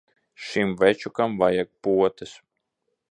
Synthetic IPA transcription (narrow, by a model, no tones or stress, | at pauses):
ʃimvɛt͡ʃukamvajak̚puɔt̪ɨs